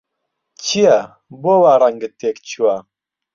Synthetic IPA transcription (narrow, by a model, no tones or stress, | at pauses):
t͡ʃʰija | boːwaɾaŋɡɨt̪eːkt͡ʃʰuwa